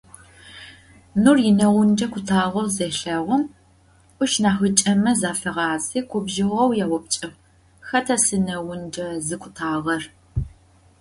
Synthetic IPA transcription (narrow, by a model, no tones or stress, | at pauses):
nurjɪnɐwʊnd͡ʒɐkʷʰʊtʰaːʁɐwzeːɬɐʁʷɔm | ʔʷʊʃnaːxɨt͡ʃʼɐmɐzaːfɨʁɑːziːkʷʰʊbʒɪʁʷɐwjaːwɔp̚t͡ʃʼɪʁ | xɐtʰɐsɨnɐwʊnd͡ʒɐzɨkʷʊ̥tʰaːʁɐr